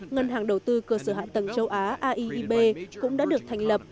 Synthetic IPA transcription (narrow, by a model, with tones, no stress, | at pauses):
ŋə˧nɦaː˨˩ŋɗə˨˩wt̪ɨ˧kəː˧səː˧˩ɦa̰ː˧˨t̪ə˨˩ŋt͡ɕə˧wʔaː˨˦ʔaː˧ʔi˧ʔi˧ɓe˧kʊ̰˧˥ŋ͡mɗa̰ː˧˥ɗɨ˨˩ək̚t̪ʰa˨˩ŋ̟lə˨˩p̚